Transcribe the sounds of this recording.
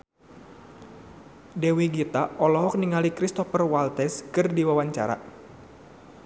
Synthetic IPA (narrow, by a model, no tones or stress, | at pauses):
dɛwiɡit̪aʔɔlɔɦɔk̚niŋalikɾist̪ɔfərwalt̪ɛskɨrdiwawaɲt͡ʃa̰ɾa̰